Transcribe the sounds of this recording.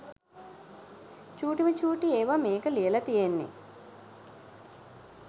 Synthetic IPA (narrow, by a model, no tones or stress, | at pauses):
t͡ʃuːʈimət͡ʃuːʈieːʋameːkəlijəlɐt̪ijenːḭ